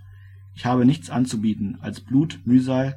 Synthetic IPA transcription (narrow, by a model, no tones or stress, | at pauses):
ʔɪçhaːbənɪçt͡sʔant͡subiːtn̩alsb̥luːtmyːzaɪl